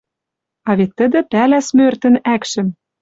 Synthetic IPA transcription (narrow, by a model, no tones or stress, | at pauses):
ɑβet̪ːə̆d̪ə̆pælæsmørt̪ə̆nækʃɘ̆m